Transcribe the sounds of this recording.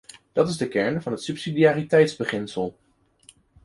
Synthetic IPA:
d̥ɑtɪzdəkɛɹnvɑnɦətsɵpsidiaːritɛjtzbəχɪnsəlˠ

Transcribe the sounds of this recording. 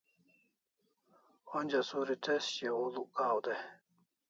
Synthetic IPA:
onʲd͡ʑasuɾit̪ʰesɕeulukaːwd̪e

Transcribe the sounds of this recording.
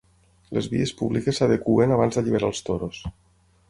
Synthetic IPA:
lezβḭespuβlikesːaðekuenaβ̞anzðəʎiβeɾalˠst̪oɾos

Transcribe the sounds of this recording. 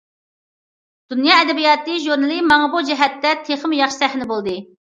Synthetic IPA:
d̪̥unjɑːɛd̪ɛbijɑːt̪ɨʒuɾnɨlˠɨmɑŋɑbud͡ʒɛɦɛt̪ːɛt̪ʰeχəmjɑχʃi̥sæhnɪbolˠd̪ɨ

